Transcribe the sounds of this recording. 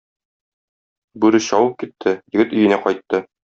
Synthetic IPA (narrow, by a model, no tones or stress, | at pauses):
bʉɾɘɕɒwɤp̚kit̪ʰːɘjɘ̆ɡɘt̪ɵ̆jɘ̆næqɒjt̪ːɤ